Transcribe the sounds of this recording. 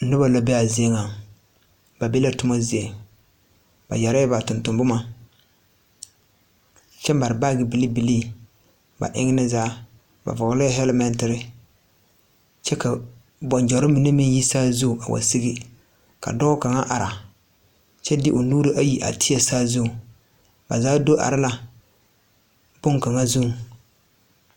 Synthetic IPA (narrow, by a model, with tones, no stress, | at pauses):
nɪ˦ba˨la˦bɛ˦a˨ze˦ŋa˨ | ba˨be˦la˦tʊ˦ma˦zi˦e˨ | ba̰˨ja˨ɾa˦ɛ˦ba˨tʊ˨ntʊ˨mbʊ˦ma˨ | t͡ʃɛ˦m˦ba˨ɾɪ˨ba˦ɡɪ˨bi˨li˦bi˨liː˦ | ba̰˨ʔɪ̰˦ŋɪ˦nɪ˦zaː˦ | ba̰˨vɔ˨ɡlɛ˦ɦɛ˦lmɛ˨ntɪ˨ɾɪ˨ | t͡ʃɛ˦ka˨ | bɔ˨nd͡ʒɔ˨ɾɪ˦mi˨ne˦mɪ˦ŋji˦sa˦zʊ˦˨a˨wa̰˨si˦ɡi˦ | ka̰˨dɔ˦ɡʊ˦ka˨ŋa̰˦ʔa˨ɾa˨ | t͡ʃɛ˦dɪ˦ʔʊ˨nuː˦ɾi˦ʔa˦ji˦ʔa̰˨tʰɪ˦a˨saː˦zʊ˦˨ | ba̰˨zaː˨˦do˦ʔa̰˨ɾɪ˦la˨ | b̥ʊ˦ŋka˨ŋa˦zu˦˨ŋ